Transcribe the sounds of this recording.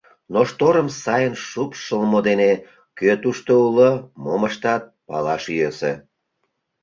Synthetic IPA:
noʃt̪oɾəmsɑjənʃupʃəlmod̪ene | køt̪uʃt̪oulomoməʃt̪ɑt̪̚pɑ̰lɑʃyjøsḛ

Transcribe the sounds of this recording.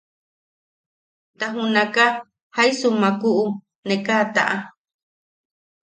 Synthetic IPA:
t̪aɦũnãka | hajsumãkuʔu | nẽkat̪a̰ʔa

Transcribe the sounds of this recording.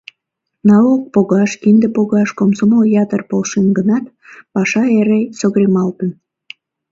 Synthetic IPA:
nɑok̚poɣɑʃkind̪epoɣɑʃkomsomojɑt̪ərpolʃenɡənɑt̪ | pɑʃɑeɾesoɣɾemɑlt̪ən

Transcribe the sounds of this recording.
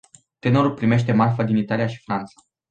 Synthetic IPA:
t̪e̞no̞ɾulpɾime̞ʃ̬t̪e̞marfəd̪init̪alijaʃi̥fɾant̪sḁ

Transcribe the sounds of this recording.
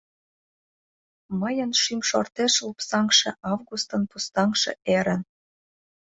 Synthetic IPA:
məjə̆nʃymʃort̪eʃlupsɑŋʃḛ̆ʔɑvɣust̪ɤ̆npust̪ɑŋʃḛ̆ʔeɾə̆n

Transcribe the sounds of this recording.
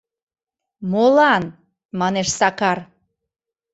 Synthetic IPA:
molɑn | mɑneʃsɑkɑr

